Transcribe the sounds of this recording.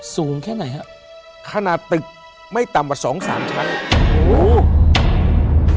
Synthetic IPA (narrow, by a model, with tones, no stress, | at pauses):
suː˨˩˦ŋkʰɛː˥˩na˩˦jkʰa˦˥ | kʰa˧na˨˩t̪ːɯ˨˩k̚ | ma˥˩jt̪a˨˩mkaː˨˩sɔː˩˦ŋsaː˩˦mt͡ɕʰa˦˥n˧ʔoː˧˦